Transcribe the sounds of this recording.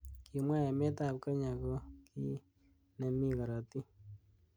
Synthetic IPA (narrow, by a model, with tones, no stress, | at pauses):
ki˨mwa˦ja˨me˦ta˦˨p̚ka˦ɲa˨kɔ˦ki˦ | nɛ˨mi˦ka˨ɾa˨ti˦